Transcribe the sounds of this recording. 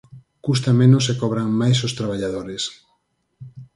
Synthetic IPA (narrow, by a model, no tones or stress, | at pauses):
kus̬t̪amẽnʊsekɔβɾaŋmajsost̪ɾaβ̞aʎaðoɾes